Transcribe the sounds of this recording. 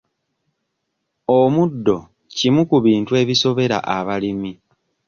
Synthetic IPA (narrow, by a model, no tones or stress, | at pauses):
omudːo̞ | cimukuβiːntue̞ːβiso̞βe̞ɾa̰ʔaβalimi